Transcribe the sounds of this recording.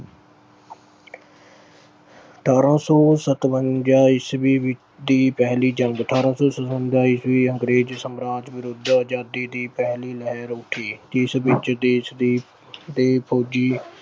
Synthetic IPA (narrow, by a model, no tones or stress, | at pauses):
əʈʰaːɾãːsɔːsət̪ʋənd͡ʒaːisʋiːʋɪ | d̪iːpɛɦliːd͡ʒəŋɡəʈʰaːɾãːsɔːsət̪ʋənd͡ʒaːisʋiːəŋɡɾeːd͡ʒsəmɾaːd͡ʒʋɪɾʊd̪əd͡ʒaːd̪iːd̪iːpɛɦliːlɛɦɛɾʊʈʰiːt̪ɪsbɪt͡ʃd̪eːsd̪iː | d̪eːpʰoːd͡ʒiː